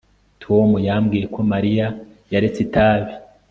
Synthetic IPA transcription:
tʰomujamɡiːje̞kʰo̞maɾija | jaɾe̞t͡setaːβe

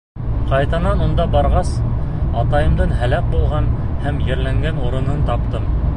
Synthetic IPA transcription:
qɑjt̪ɑnɑnund̪ɑbɑɾʁɑsɑt̪ɑjɤ̆md̪ɤɴɦælæk̚bulˠʁɑnhæmjɘ̆ɾlæŋɡænuɾɤ̆nɤnt̪ɑp̚t̪ɤm

